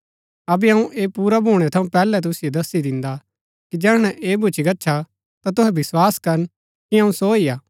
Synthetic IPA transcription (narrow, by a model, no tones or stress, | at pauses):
ɐbɛɦɐ̃ũʔeːpuːɾabʱuːɽ̃ɛt̪ʰɐũpɛːlɛt̪̬ʊsɪjod̪ɐsːid̪ɪ̃nd̪a | kid͡ʒɛːɽñɛʔeːbʱʊt͡ʃʰiɡɐtːʃʰa | t̪at̪ʊɦɛbɪswaːskɐɾən | kiɦɐ̃ũsoiːaː